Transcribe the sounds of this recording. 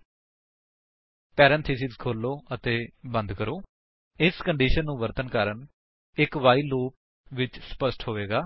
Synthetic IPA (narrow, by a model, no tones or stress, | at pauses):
pɛːɾɛ̃nt̪ʰiːsɪkzkʰoːlːoːʔət̪eːbə̃nd̪kəɾoː | ɪskəɳɖiːʃənːũːʋəɾt̪ənkaːɾən | ɪkʋaːiːloːp̚ | ʋɪt͡ʃsə̥pəsʈɦoːʋeːɡaː